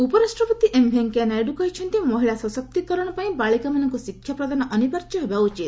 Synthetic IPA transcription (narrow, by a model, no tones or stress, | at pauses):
upɔɾasʈɾɔpɔt̪iʔembʱeŋkanajɖukɔɦit͡ʃʰɔnt̪imɔɦiɭasɔsɔk̚t̪ikɔɾɔɽ̃ɔpaĩbaɭikamanɔŋkusikʰːjapɾɔd̪anɔʔɔnipaɾt͡ʃɔɦebaut͡ʃit̪